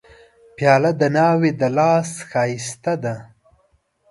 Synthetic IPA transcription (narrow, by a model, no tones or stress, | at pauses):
pjɑːlad̪ənɑːwed̪əlɑːsxɑːjist̪ad̪a